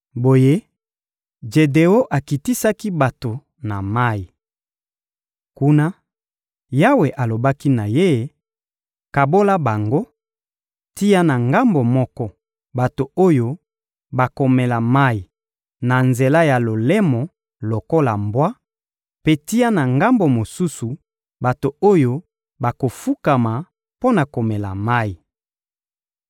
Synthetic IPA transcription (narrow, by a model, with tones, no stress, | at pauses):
bo˨je˦ | d͡ʒe˨de˨o˦ʔa˨ki˨ti˦sa˦ki˦ba˨to˨ | na˨ma˦i˨ | ku˦na˦ | ja˦we˨ʔa˨lo˨ba˦ki˦na˨je˦˨˦ | ka˨bo˦la˦ba˨ŋɡo˦ | ti˦ja˦na˨ŋɡa˦mbo˨mɔ˦kɔ˦ | ba˨to˨o˦jo˦ | ba˨ko˨me˨la˨ma˦i˨ | na˨nze˨la˦ja˨lo˨lɛ˦mɔ˨ | lo˨ko˦la˨mbwa˦ | pe˦ti˦ja˦na˨ŋɡa˦mbo˨mo˨su˦su˨ | ba˨to˨o˦jo˦ | ba˨ko˨fu˦ka˨ma˨ | po˦na˨ko˨me˨la̰˨ma˦i˨